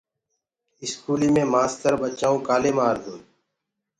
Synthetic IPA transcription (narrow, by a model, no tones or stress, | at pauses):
ɪskuːliːmẽːmaːst̪əɾbət͡ʃaːõːkaːleːmaːɾd̪ũːn